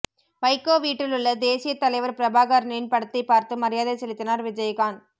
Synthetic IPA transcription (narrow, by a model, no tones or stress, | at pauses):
pɐɪkːoːʋiːʈːɪlɯɭːɐd̪eːsɪjɐt̪ːɐlɐɪʋɐɾpɪɾɐbaːɣaːɾɐɳɐjɪnpɐɽɐt̪ːɐɪpːaːɾt̪ɯmɐɾɪjaːðɐsɛlɪt̪ːɪnaːɾʋɪd͡ʒɐjɣaːn